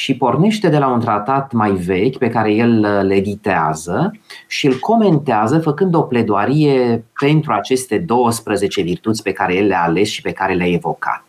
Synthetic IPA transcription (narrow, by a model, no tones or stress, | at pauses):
ʃipo̞rne̞ʃt̪e̞d̪e̞launt̪ɾat̪at̪majve̞kʲpe̞kaɾe̞je̞lːe̞d̪it̪ea̰zəʃiɨlkʰo̞me̞nt̪eazəfəkɨnd̪o̞ple̞d̪oaɾije̞pe̞nt̪ɾuat͡ʃe̞st̪e̞d̪o̞wəspɾəze̞t͡ʃe̞virt̪ut̪sʲpe̞kaɾe̞je̞lːeaːle̞sʃi̥pe̞kaɾe̞leaevo̞ka̰t̪̚